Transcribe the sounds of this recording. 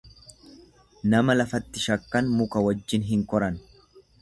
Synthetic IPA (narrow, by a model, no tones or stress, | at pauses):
nɐmɐlɐfɐt̪ːɪʃɐkːɐnmʊkɐwɐd͡ʒːɪnɦɪŋkɔɾɐn